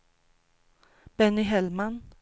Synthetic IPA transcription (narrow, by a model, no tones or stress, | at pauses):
b̥ɛnɪɦɛlman